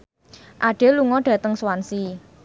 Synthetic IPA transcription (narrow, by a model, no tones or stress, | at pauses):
ʔaɖ̥e̤luŋɔɖ̥a̤t̪əŋswansi